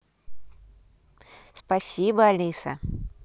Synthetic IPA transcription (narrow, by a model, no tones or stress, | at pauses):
spasʲibɐalʲisɐ̰